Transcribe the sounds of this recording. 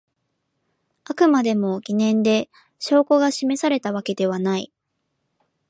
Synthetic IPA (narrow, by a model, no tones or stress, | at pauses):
akɯ̟mad̪e̞mo̞ɡʲinẽ̞nd̪e̞ | ɕo̞ːko̞ɡaɕime̞saɾe̞t̪aβ̞ake̞d̪e̞β̞anai